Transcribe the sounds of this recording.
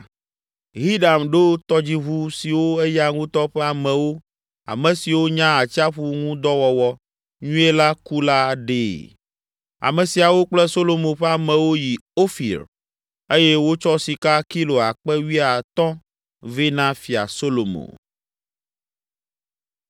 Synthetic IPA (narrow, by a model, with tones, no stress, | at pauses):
ɦi˦ɖa˨mɖo˦t̪ɔ˦d͡ʑi˦βu˦si˨wo˦ɛ˦ja˦ŋũ˦t̪ɔ˦ɸɛ˦a˨mɛ̃˨wo˦ | a̰˨mɛ̃˨si˨wo˦ɲã˦a˨t͡ɕi˦a˦ɸu˦ŋũ˦d̪ɔ˦wɔ˨wɔ˦ | ɲũ˦e˦la˦ku˦la˦ɖe˨ | a̰˨mɛ̃˨si˨a˨wo˦k͡plɛ˦so˦lo˨mõ˨ɸɛ˦a˨mɛ̃˨wo˦ji˨o˦fḭ˨ɾ | e˦jɛ˦wo˦t͡ʃɔ˦si˨ka˦ki˦lo˨a˨k͡pɛ˦wi˦a˨t̪ɔ̃˦ | ve˦nã˦fi˨a̰˨so˦lo˨mõ̰˨